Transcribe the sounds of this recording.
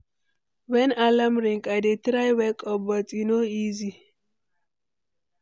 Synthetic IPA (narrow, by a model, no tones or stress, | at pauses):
wɛnalamɾiŋkʼadet̪ɾajwɛkʼɔbɔt͡sʼinoizi